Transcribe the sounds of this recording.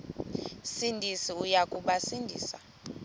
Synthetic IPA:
sindʱisiujakʼuɓasindʱḭːsa

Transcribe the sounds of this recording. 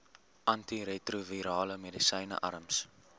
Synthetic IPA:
ʔɐntiɾetruviɾɑːləmedisəjnə̰ʔɐ̰ɾəms

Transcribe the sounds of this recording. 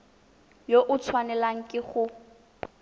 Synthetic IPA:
joʔʊt͡sʰwanɛlaŋ̩kʼɪχʊ

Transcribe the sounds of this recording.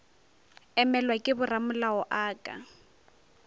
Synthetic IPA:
ɛmɛlwakʼɪbʊramʊlaɔʔaːkʼa̰

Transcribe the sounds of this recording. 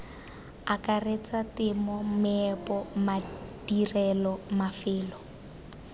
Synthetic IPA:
akaret͡satɪmɔmɪɛpɔmadirɛlɔmafɪːlɔ

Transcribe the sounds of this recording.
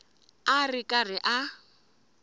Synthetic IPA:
arɪkʼarɪʔa

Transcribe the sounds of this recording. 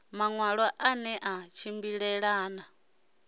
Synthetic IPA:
maŋwaɺɔʔanɛʔat͡ʃʰimbiɺɛɺaːna

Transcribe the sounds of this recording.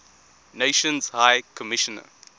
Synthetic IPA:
neɪʃə̃nzhaɪkʰəmɪʃənə̰

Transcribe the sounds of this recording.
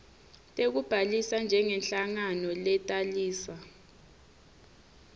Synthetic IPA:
tʼek̬ub̥ʱalisand͡ʒʱɛŋɛnɬaŋanɔlɛtʼaliːsa

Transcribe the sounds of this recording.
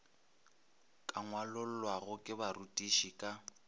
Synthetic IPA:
kʼaŋwalʊl̩lwaɣʊkʼɪbarutʼiʃikʼa

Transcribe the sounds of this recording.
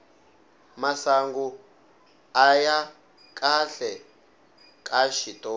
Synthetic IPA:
masaŋɡu | aja | kʼaɬɛ | kʼaʃitʼɔː

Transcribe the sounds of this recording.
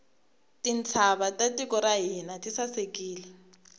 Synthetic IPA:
tʼint͡sʰaβatʼatʼikʼɔɾaɦinatʼisasekʼiːlɛ

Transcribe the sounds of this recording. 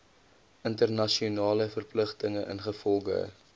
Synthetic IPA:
ʔəntərnɐʃiunɑːləfərpləχtəŋəʔə̰nχəfɔlˠχə̰

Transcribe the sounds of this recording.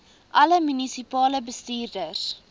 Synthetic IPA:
ʔɐləmynisipɑːləbəstiːrdəs

